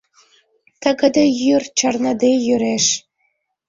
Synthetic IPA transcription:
t̪ə̆ɡə̆d̪ə̆jyrt͡ɕərnə̆d̪ejyɾeʃ

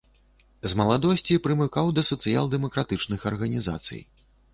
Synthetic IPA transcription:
zmɐlˠad̪ɔsʲt͡sʲipɾɨmɨkawd̪ɐsɐt̪sɨja̰lˠd̪ɛmɐkɾat̪ɨt͡ʂnɨxɐrɣɐnʲiza̰t̪sɨ̰j

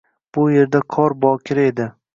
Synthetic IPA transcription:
b̥ʊje̞ɾd̪aqʰɒɾbɒkʲʰɪɾe̞d̪ɪ

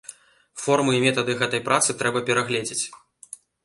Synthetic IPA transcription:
fɔrmɨimʲɛt̪ɐd̪ɨɣɛt̪ɐjpɾʔat̪sɨt̪ɾɛbɐpʲɛɾaɣlʲɛd͡zʲɪt͡sʲ

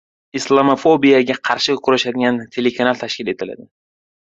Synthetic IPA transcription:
islˠamofobijaɡʲaqʰɑɾʃɪkʰʊɾaʃad̪ɪɡʲant̪ʰe̞lekʰanalˠt̪ʰaʃkʲɪle̞t̪ʰɪla̰d̪ɪ

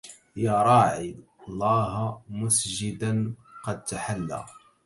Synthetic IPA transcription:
jɑɾˤɑːʕi | lˤːɑːɦmʊsʒɪd̪anqɑd̪̚t̪aħalːæ̰

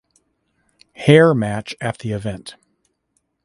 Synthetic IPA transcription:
hɛɹmæt͡ʃɨt̪̚ðiɨvɛ̃nt

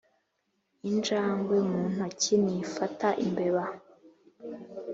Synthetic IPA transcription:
ind͡ʒaːŋɡwemuːn̥hacinifataʔimbeβa

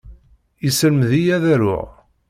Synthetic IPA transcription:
isələmðijæðæɾʊ̰ʁ

